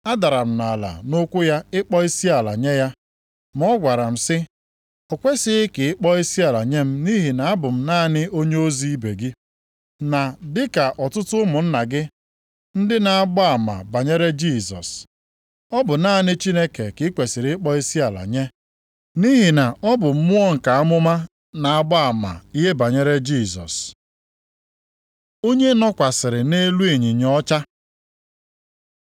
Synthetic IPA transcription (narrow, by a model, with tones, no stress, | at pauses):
a˦da˨ɾa˨m̩˦na˨la̰˨nʊ˦kʷʊ˦ja˦ɪ˦k͡pɔ˦i˦si˦a˨la̰˨ɲe˦ja˦ | m̩˦ɔ˦ɡʷa˨ɾa˨m̩˦sɪ˦ | ɔ˨kʷe˦sɪ˦ɪ˦kɪ˨ɪ˦k͡pɔ˦i˦si˦a˨la˨ɲe˦m̩˦ni˦ɦi˨na˨a˦bʊ˨m̩˦na˦˨nɪ˦o˦ɲe˦o˦zi˦i˦be˨ɡɪ˦ | na˨dɪ˦ka˨ʔɔ˨tʊ˦tʊ˦mʊ˨n̩˦na˨ɡɪ˦ | n̩˦dɪ˦na˨a˦ɡ͡bɔ˦a˨ma̰˨ba˨ɲe˦ɾe˦d͡ʒi˦˨sɔ̰˨s | ɔ˦bʊ˨na˦nɪ˦t͡ʃi˦ne˦ke˨kɪ˦kʷe˨sɪ˨ɾɪ˦k͡pɔ˦i˦si˦a˨la̰˨ɲe˦ | ni˦ɦi˨na˨ɔ˦bʊ˨m̩˦mʊ˦ɔ˦ŋ̩˨ka˨a˦mʊ˦ma˦ | na˨a˨ɡ͡ba˦a˨ma̰˨i˦ɦe˦ba˨ɲe˦ɾe˦d͡ʒi˦˨sɔ̰˨s | o˦ɲe˦nɔ˦kʷa˨sɪ˨ɾɪ˨ne˦lu˦i˨ɲɪ˨ɲɔ˦t͡ʃa˦